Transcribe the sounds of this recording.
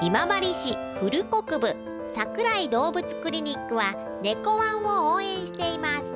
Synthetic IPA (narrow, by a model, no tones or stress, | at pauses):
imabaɾʲiɕi | ɸɯ̟ɾɯ̟ko̞kɯ̟bɯ̟ | sakɯ̟ɾaid̪o̞ːbɯ̟t͡sɨ̥kɯ̟ɾʲiɲ̟ʲikːɯ̟βa | ne̞ko̞βãɰ̃ooːẽ̞ɰ̃ɕi̥t̪e̞imasɨ̥